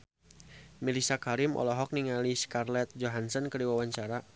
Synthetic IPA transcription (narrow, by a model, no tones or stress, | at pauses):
milisakaɾimʔɔ̰lɔɦɔk̚niŋaliskarlɛt̪̚d͡ʒɔɦansɔnkəɾiwawaɲt͡ʃaɾa